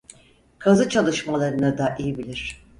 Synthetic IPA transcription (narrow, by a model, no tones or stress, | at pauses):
kʰazɯt͡ʃʰalˠɯʃmalˠaɾɯnɯd̪aʔijibilʲiɾ̥